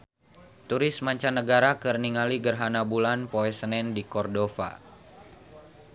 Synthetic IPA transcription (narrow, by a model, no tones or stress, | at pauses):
t̪uɾɪsmaɲt͡ʃanːəɡaɾakərniŋaliɡərɦanabulanpoɛsənɛndikɔrdofa̰